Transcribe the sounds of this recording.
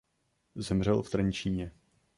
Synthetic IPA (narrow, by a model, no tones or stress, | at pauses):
zɛmr̝ɛlft̪ɾɛnt͡ʃiːɲɛ